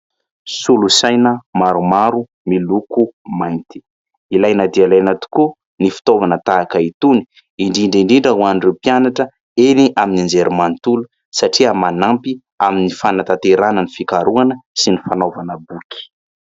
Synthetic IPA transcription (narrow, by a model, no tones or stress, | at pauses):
sulusajnəmaɾumaɾu | milukumajnt̪i̥ | ilajnad̪ialajnat̪u̥ku | nifi̥t̪ovanət̪aːkəit̪uni̥ | iɳɖ͡ʐiɳɖ͡ʐiɳɖ͡ʐiɳɖ͡ʐəɦwanrepjanaʈ͡ʂə | eniʔaminind͡zeɾimant̪ulu | saʈ͡ʂiəmanampi | aminifanat̪at̪eɾanənifikaɾuanəsinifanovanəbuki̥